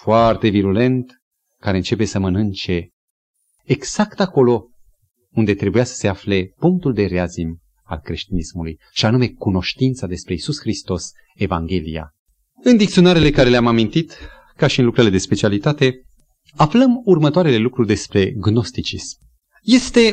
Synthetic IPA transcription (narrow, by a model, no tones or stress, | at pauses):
foart̪e̞viɾule̞nt̪ | kaɾe̞ɨnt͡ʃe̞pe̞səmənɨnt͡ʃe̞ | ɡz̥akt̪ako̞lo̞ | und̪e̞t̪ɾe̞bujasə̥se̞afle̞puŋk̚t̪uld̪e̞ɾeazim | a̰lkɾe̞ʃt̪inismuluj | ʃianume̞kuno̞ʃt̪int̪sad̪e̞spɾe̞isusxɾist̪o̞s | e̞vaŋɡʲe̞lḭja̰ | ɨnd̪ikt̪sio̞naɾele̞kaɾe̞leamamint̪it̪ | kaʃiɨnlukɾele̞d̪e̞spe̞t͡ʃialit̪at̪e̞ | afləmurmət̪oaɾe̞le̞lukɾurd̪e̞spɾe̞ɡno̞st̪it͡ʃism | je̞st̪e̞